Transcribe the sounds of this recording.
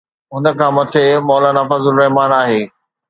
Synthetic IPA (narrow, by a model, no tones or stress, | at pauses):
ɦʊnə̆kʰãːmɐt̪ʰemɔːlaːnaːfɐzʊɾɾɐɦmaːnaːɦeː